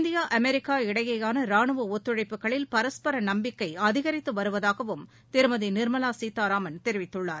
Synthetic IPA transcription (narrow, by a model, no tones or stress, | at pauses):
nd̪ɪjaːʔɐmɛɾɪkːaːɪɽɐjɐjaːnɐɾaːnɯʋɐɔt̪ːɯɻɐɪpːɯkːɐɭɪlpɐɾɐspɐɾɐnɐmbɪkːɐɪɐðɪɣɐɾɪt̪ːɯʋɐɾɯʋɐðaːɣɐʋɯm | t̪ɪɾɯmɐðinɪɾmɐlaːsiːt̪ːaːɾaːmɐnt̪ɛɾɪʋɪt̪ːɯɭːaːɾ